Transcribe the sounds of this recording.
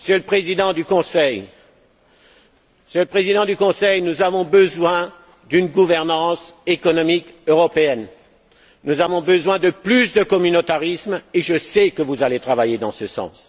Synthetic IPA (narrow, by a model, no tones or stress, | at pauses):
məsjøləpχezid̪ɑ̃d̪ykɔ̃sɛj | əsjøləpχezid̪ɑ̃d̪ykɔ̃sɛjnuzavɔ̃bəzwɛ̃ | d̪ynɡuvɛʁnɑ̃sekɔnɔmikøʁɔpeɛn | nuzavɔ̃bəzwɛ̃d̪əplysd̪əkɔmynot̪aʁismeʒəsɛkəvuzalet̪χavajed̪ɑ̃səsɑ̰̃s